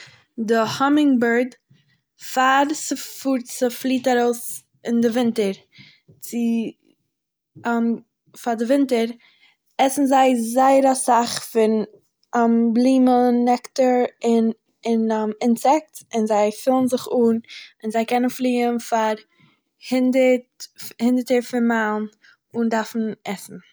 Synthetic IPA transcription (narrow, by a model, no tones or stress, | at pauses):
dɪhɔmɪŋbəɾd | faɾsəfuɾt͡səflˠiːtaɾoʊs | ɪndɪvɪntəɾ | t͡sɪ | ɛm | faɾdɪvɪntəɾ | ɛsn̩zaɪzaɪəɾasaχfɪn | amblˠiːmənɛktəɾɪn | ɪnamɪnsɛk̚tɪnzaɪfɪlˠn̩zɪχuːnɪnzaɪkɛnənflˠiːənfaɾ | hɪndəthɪndəɾtəɾfɪnmalˠn | ʊndaɾfn̩ɛsn̩